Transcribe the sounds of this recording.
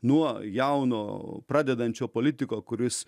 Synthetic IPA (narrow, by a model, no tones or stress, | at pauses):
nuɔjɛʊno̰ːpɾɑːd̪ʲɛd̪ɐnʲt͡ʃʲoːpoːlʲɪt̪ʲɪkoːkʊɾʲɪs